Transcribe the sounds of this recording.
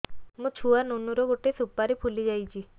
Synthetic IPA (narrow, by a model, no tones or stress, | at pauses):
mũt͡ʃʰuanonuɾɔɡoʈesupaɾepʰulid͡ʒajt͡ʃʰi